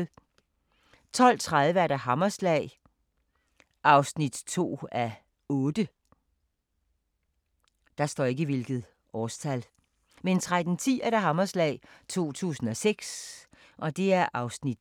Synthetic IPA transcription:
t͡sʰɒ̽l̰t͡sʰʁaðˠʋəæɐɾɑ̈ɦɑ̈mɐslɛ̰ɪ | ʔɑ̈ʊsnid̥t͡sʰo̝̰ːæ | ɔ̽ːd̥ə | d̥ɑ̈sd̥ɒ̰ːe̝ɡ̥əʋe̝lɡ̥ð̩ˠ | ʔɒːst͡sʰæl | ment͡sʰʁad̥n̩t͡sʰḭːæɐɾ̥ɑ̈ɦɑ̈mɐslɛ̰ɪt͡sʰo̝̰ːt͡sʰṵːsn̩ɒ̽seɡ̥s | ʔɒ̽d̥e̝æɐʔɑ̈ʊsnid̥

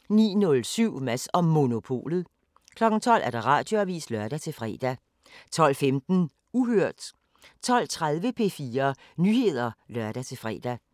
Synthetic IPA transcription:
nḭːnɔ̽lsyʊ̰mæsɒ̽ːo̝no̝pʰo̝̰ːlð̞̩ˠ | kʰlɒ̽ɡ̥ŋ̩t͡sʰɒ̽l̰æɐd̥ɑ̈ʁɑ̰̈ːd̥jo̝æʋḭːslɶɐd̥æt͡sʰe̝lfʁɛːd̥æ | t͡sʰɒ̽l̰femd̥n̩ | uɦøɐ̰d̥ | t͡sʰɒ̽l̰t͡sʰʁað̞ˠʋəpʰe̝fiːɐ | nyːhe̝ð̞̰ˠɐlɶɐd̥æt͡sʰe̝lfʁɛ̰ːd̥æ

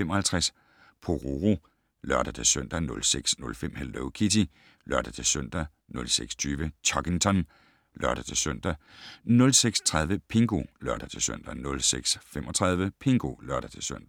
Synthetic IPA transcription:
fem̰ɒ̽hælt͡sʰʁas | pʰoʁoʁo | lɶɐd̥æt͡sʰe̝søn̰d̥ænɔ̽lseɡ̥snɔ̽lfem̰held̥oʊkʰidi | lɶɐd̥æt͡sʰe̝søn̰d̥æ | nɔ̽lseɡ̥st͡sʰyːʋət͡sʰɒɡ̥eŋt͡sʰɒn | lɶɐɾ̥æt͡sʰe̝søn̰d̥ænɔ̽lseɡ̥st͡sʰʁɑð̞ˠʋəpʰe̝ŋɡ̥o̝lɶɐd̥ɾ̥ɐt͡sʰe̝sø̰n̰d̥ænɔ̽lseɡ̥sfemɒ̽t͡sʰʁɑ̈ð̞ˠʋəpʰe̝ŋɡ̥o̝lɶɐd̥æt͡sʰe̝søn̰d̥æ

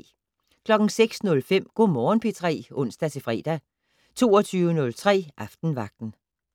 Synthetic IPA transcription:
kʰlɒ̽ɡ̥n̩seɡ̥snɔ̽lfem̰ɡ̥o̝̰mɒːnpʰet͡sʰʁɛ̰ːɔ̽n̰sd̥æt͡sʰe̝fʁɛ̰ːd̥æ | t͡sʰo̝̰ːɒt͡sʰyːʊənɔ̽lt͡sʰʁɛ̰ːʔɑ̈fd̥n̩ʋɑ̈ɡ̥̚d̥n̩

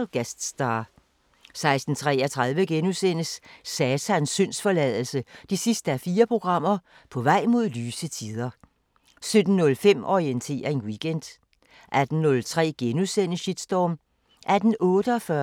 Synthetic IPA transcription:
ɡ̥æsd̥sd̥ɑ | sɑ̈ɪsd̥n̩t͡sʰʁɛːɐt͡sʰʁɑð̞ˠʋəɡ̥enusen̰əsːɛːsʰænsøn̰sfɒ̽lɛðˠl̩səd̥isisd̥əæfiːɐpʰʁo̝ɡ̥ʁɑ̈m̰ɐ | pʰɒ̽ʋɑ̈ɪ̰mo̝ð̞̰ˠlyːsət͡sʰiðˠɐ | sød̥n̩ːɔ̽lfem̰ɒʁient͡sʰe̝̰ːɐe̝nwiɡ̥end̥ | ʔæd̥n̩ːɔ̽lt͡sʰʁɛ̰ːɡ̥enusen̰əɕid̥sd̥ɒːm | ʔæd̥n̩ɔ̽ːɾ̥əɒ̽fɶɐ

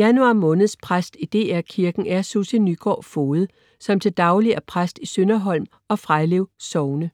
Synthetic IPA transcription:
jænuɑ̈mɔ̽ːnð̞̩ˠspʰʁasd̥id̥e̝̰ːæɐkʰiɐɡ̥n̩æɐsusenyɡ̥ɒ̰ːfo̝ːð̩ˠ | sɒ̽mt͡sʰe̝ld̥ɑ̈ʊliæɐpʰʁasd̥isønɐɦɒ̽l̰m | ɒ̽fʁɑɪle̝ʊsɒʊnə

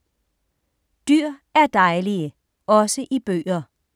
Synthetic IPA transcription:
d̥yɐ̰æɐd̥ɑ̈ɪliə | ɒ̽səʔib̥ø̰ːɐ

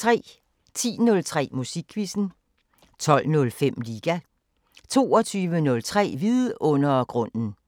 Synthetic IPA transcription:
t͡sʰʁɛ̰ː | t͡sʰḭːnɔ̽lt͡sʰʁɛ̰ːmusiɡ̥ʰʋisn̩ | t͡sʰɒ̽l̰nɔ̽lfem̰liːɡ̥æ | t͡sʰo̝̰ːɒt͡sʰyːʋənɔ̽lt͡sʰʁɛ̰ːʋiðˠʔɔ̽n̰ɐɡ̥ʁɔ̽n̰n̩

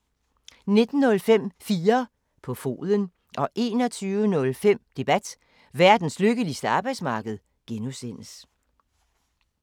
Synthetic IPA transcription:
ne̝d̥n̩ːɔ̽lfem̰fiːɐ | pʰɒ̽fo̝̰ːðˠən | ʔɒ̽ʔe̝̰ːnɒt͡sʰyːʊənɔ̽lfem̰d̥e̝b̥æd̥ | ʋæɐ̰d̥n̩sløɡ̥əlisd̥əɑ̈b̥ɑ̈ɪd̥smɑ̈ːɡ̥əð̞̩ˠ | ɡ̥enusen̰əs

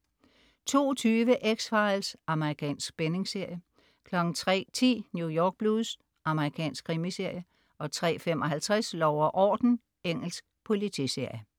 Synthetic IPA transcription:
t͡sʰo̝̰ːt͡sʰyːʋəʔeɡ̥sfɑ̈ɪlsʔɑ̈məʁikʰɛ̰ːnsɡ̥b̥ene̝ŋse̝ɐ̰jə | kʰlɒ̽ɡ̥n̩t͡sʰʁɛ̰ːt͡sʰḭːnjujɒːɡ̥̚b̥luðˠs | ʔɑ̈məʁikʰɛ̰ːnsɡ̥̚ʰʁimise̝ɐ̰jə | ʔɒ̽t͡sʰʁɛ̰ːfemɒ̽ɦælt͡sʰʁɛslɒʊɐʔɒ̰ːd̥n̩ | eŋ̰l̩sɡ̥̚pʰo̝lit͡sʰḭse̝ɐ̰jə

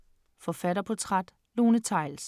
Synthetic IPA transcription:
fɒ̽fæɾɐpʰɒ̽t͡sʰʁad̥ | lo̝ːnət͡sʰɑ̈ɪls

